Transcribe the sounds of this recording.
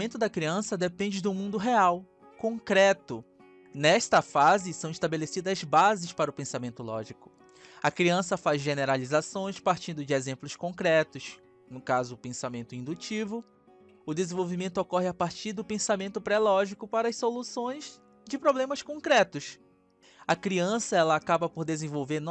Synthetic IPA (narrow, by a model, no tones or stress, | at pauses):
mẽnt̪ʊd̪ɐkɾiɐ̃sɐd̪epẽnd͡ʒɪd̪ʊmũnd̪ʊɦeaw | kõŋkɾɛt̪ʊ | nɛʃt̪ɐfazɪsɐ̃w̃ɪʃt̪abelesid̪ɐzbazɪspaɾʊpẽsamẽnt̪ʊlɔ̰ʒikʊ̥ | ɐkɾiɐ̃sɐfazʒeneɾalizasõj̃spaɾt͡ʃĩnd̪ʊd͡ʒɪezẽmplʊskõkɾɛt̪ʊs | nʊkazʊpẽsamẽnt̪ʊĩd̪ut͡ʃivʊ | ʊd̪ezẽvowvimẽnt̪ʊokɔɦɪapaɾt͡ʃiɾd̪ʊpẽsamẽnt̪ʊpɾɛlɔʒikʊpaɾɐssolusõj̃z | d͡ʒɪpɾoblẽmɐskõkɾɛt̪ʊs | ɐkɾiɐ̃sɐɛlɐːkabɐpoɾd̪ezẽvowveɾn